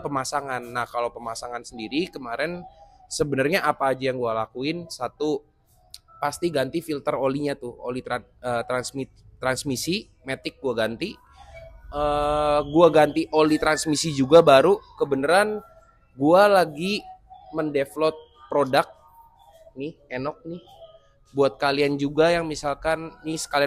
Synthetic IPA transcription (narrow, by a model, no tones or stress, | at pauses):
pəmasaŋanːahkalopəmasaŋansəndiɾikəmaɾɛnsəbənərɲaʔapaːd͡ʒajaŋɡualakuɪnsat̪u | past̪iɡant̪ifilt̪əroliɲat̪ʊo̰lit̪aət̪ɾansmit̪t̪ːɾansmisi | met̪ɪk̚ɡuaɡant̪i | ʔəɡuaɡant̪iʔolit̪ɾansmisid͡ʒuɡabaɾukəbənəɾan | ɡualaɡiməndeflɔt̪̚ | pɾodak̚ | nɪhenɔk̚nɪh | buat̪̚kaliand͡ʒuɡajaŋmisalkanːɪsə̥kalia